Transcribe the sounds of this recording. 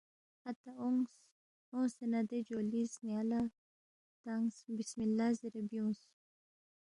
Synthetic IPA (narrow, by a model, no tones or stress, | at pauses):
at̪aoŋs | õsenad̪ed͡ʒoːlisnjala | t̪aŋsbismilːaziɾebjũːs